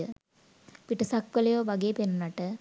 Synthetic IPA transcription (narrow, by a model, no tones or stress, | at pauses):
ə | piʈɐsak̚pəlɐjoːʋɐɡeːpenunaʈə